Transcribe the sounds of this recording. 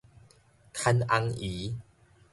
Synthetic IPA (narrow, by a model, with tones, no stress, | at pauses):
kʰa˧nʔa˧ŋʔi˨˦